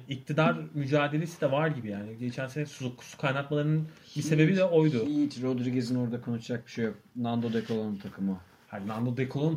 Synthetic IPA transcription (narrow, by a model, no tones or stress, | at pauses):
ic̚t̪ʰid̪aɾmyd͡ʒaːd̪e̞lʲesid̪ɛvaɾɟibijaːniɟe̞t͡ʃʰænsinɛsuzukʰːu̥su̥kʰajnat̪malˠaɾɯnɯn | bise̞be̞bid̪ɛo̞jd̪ʊit͡ʃ̪ɾod̪ɾiɡezinoɾd̪akʰo̞nut͡ʃd͡ʒak̚bi̥ʃejok̚ | nand̪od̪ekʰolˠont̪ʰakʰɯmɯ | had̪nand̪od̪ekʰolˠon